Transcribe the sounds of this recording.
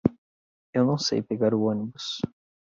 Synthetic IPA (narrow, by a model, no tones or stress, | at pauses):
ewnɐ̃w̃sḛjpeɡaɾʊõnibus